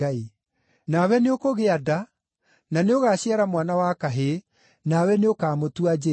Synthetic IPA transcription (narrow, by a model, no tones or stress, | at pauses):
ai | nawɛneokoɣeada | naneoɣaːɕjaɾamwanawakaɦe | nawɛneokaːmotuad͡ʒe